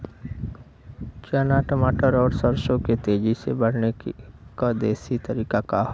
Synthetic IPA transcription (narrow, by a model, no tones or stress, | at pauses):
t͡ʃaːnaʈəmaːʈəɾɔːɾsəɾsõket̪eːd͡ʒisebɐɽ̤nekad̪eːsit̪ɐɾiːkakaɦ